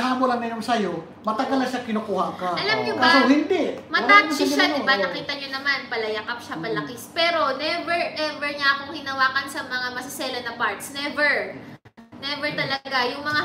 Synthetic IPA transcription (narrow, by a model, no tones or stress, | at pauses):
haːmolɐŋnɐjoŋsɐjo | mɐt̪ɐɡɐlnɐʃakɪnokuːhɐkaʔɐlɐmɲobɐsohɪnd̪ɛʔmɐt̪aːt̪ʃaʃaɪbaɐkiːt̪ɐɲonɐmanpɐlɐjɐkɐp̚ʃappɐlɐkɪspɛːɾo̞nɛvɛɹnɛvɛɹɲaʔɐkoŋhɪnɐwaːkɐnsɐmɐŋamɐsɪsɛːlɐnɐpaɹt̪snɛvɛɹ | nɛvɛɹt̪ɐlɐɡajʊŋmɐŋa